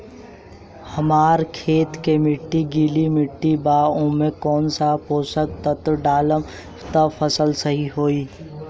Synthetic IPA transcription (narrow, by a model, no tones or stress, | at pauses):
hɐmaːɾkʰeːt̪kemɪʈːiɡiːlimɪʈːibaːʊ̃ːmẽkɔːnsapoːsək̚t̪ət̪ɖaːləm | t̪əfʰəsəlsəɦiɦoːiː